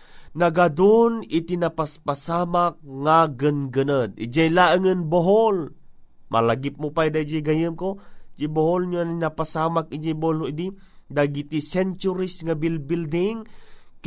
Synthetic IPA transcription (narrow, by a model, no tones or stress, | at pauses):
naɡad̪ʊnit̪inapaspasamak̚ŋaɡənɡənəd̪̚ḭd͡ʒajlaʔəŋɨnboɦol | mʔa̰laɡɪp̚mʊpajd̪ad͡ʒiɡajɯmkod͡ʒiboholɲoninapasaːmak̚id͡ʒijbooloʔid̪i | d̪aɡit̪isɛnt͡ʃuɾisŋabilbild̪ɪŋk